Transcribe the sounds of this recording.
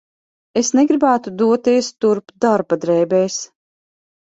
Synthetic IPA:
esneɡɾibæːt̪ud̪uɔt̪iɛst̪uɾpd̪aɾbad̪ɾɛːbɛjs

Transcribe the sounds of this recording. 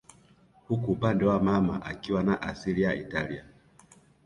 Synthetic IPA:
hukuːpandɛwamama̰ʔakiwanaʔasilija̰ʔitalia

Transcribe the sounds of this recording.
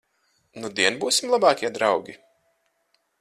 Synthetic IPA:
nud̪iɛnbuːsimlˠabɑːkʲiɛd̪ɾawɡʲi

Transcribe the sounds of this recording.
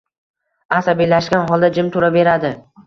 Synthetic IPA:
asabilaʃkʲanɦɒlˠd̪ad͡ʒɪmt̪ʰʊɾave̞ɾad̪ɪ

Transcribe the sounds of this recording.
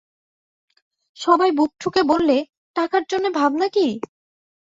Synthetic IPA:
ʃɔbajbup̚ʈʰukebolːe | ʈakaɾd͡ʑonːebʱabnaki

